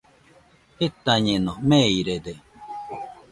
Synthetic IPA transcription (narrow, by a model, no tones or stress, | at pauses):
het̪aɲenomeiɾed̪e